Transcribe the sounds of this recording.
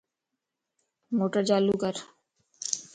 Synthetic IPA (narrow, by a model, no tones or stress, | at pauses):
moʈaɾd͡ʑalukaɾ